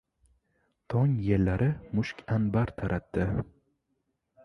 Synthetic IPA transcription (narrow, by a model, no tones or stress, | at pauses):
t̪ʰɒŋjelːaɾʔɪmʊʃkʲʰanbaɾt̪ʰaɾʔat̪ːɪ